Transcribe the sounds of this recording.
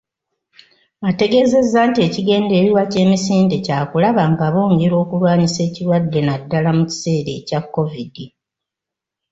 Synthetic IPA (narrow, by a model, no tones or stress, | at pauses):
ate̞ɡe̞ze̞zːaːntie̞ciɡe̞ːnde̞ːɾiwace̞ːmisiːnde̞caːkulaβaŋɡaβo̞ːŋɡe̞ɾo̞ːkulwaːɲise̞ːciɾwadːe̞nadːalamuci̥se̞ːɾe̞̰ːcakːo̞vidi